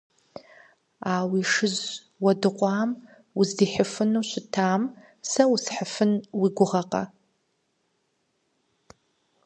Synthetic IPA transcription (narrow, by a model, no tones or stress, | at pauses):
aːwiʂɨz | wɐdɨqʷʼɑːm | ʊzdiħəfɨnuɕʷɪtʰaːm | sɐwusħəfɨnwiɡʷʊʁɐqʼɐ̰